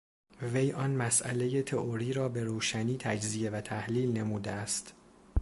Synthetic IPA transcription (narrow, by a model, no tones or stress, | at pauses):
ve̞jʔɒnmæsʔæ̰le̞je̞t̪ʰe̞ʔoɾiːɾɒːbe̞ɾoːʃæniːt̪ʰæd͡ʒzije̞væt̪ʰæhliːlne̞muːd̪eæst̪